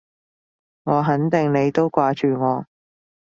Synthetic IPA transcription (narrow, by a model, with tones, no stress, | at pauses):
ŋɔː˨˧ɦɐ˨˥nt̪ɪ˨ŋne˨˧jt̪o˥wkʷaː˧t͡ʃyː˨ŋɔː˨˧